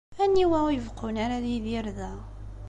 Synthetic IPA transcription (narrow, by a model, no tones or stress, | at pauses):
ænːiwæwjəvqʊnaɾaðiðɪɾðæ